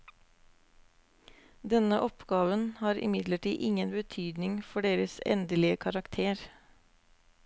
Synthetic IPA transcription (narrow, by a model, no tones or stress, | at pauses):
d̪ɛnəʔɔpɡɑːʋənhɑːɾʔɪ̰mɪd̪ləʈḭːʔɪŋənbət̪ʰyːd̪nɪŋfɔɖeːɾəsɛ̰nd̪əlɪəkʰɑɾɑkt̪ʰeːɾ